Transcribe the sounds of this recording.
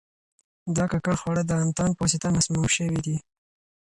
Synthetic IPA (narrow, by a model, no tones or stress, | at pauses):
d̪ɑkakaɽxwaɽəd̪əamt̪ɑnposit̪amasmuwʃəwid̪i